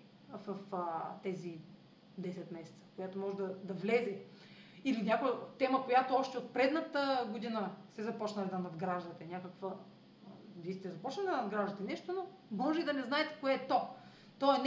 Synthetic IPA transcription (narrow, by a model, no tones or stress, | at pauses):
vɐft̪ɛzi | d̪ɛsɛt̪mɛsɛ̥t̪sə̥kojat̪omɔʒɛd̪ɐd̪ɐvlɛzɛ | ilinʲakʊjɐt̪ɛməkojat̪oɔʃt̪ɛot̪̚pɾɛd̪nət̪əɡod̪inəst̪ɛzɐpɔt͡ʃnəlʲid̪ɐnɐd̪ɡɾaʒd̪ɐt̪ɛnʲakəkvə | vist̪ɛzɐpɔt͡ʃnɐlid̪ɐnɐd̪ɡɾaʒd̪ət̪ɛnɛʃt̪ono | mɔʒɛid̪ɐnɛznaɛt̪ɛ̥koɛːt̪o | t̪oɛn